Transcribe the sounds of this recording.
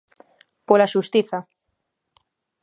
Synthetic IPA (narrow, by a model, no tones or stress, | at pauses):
polaʃust̪iθa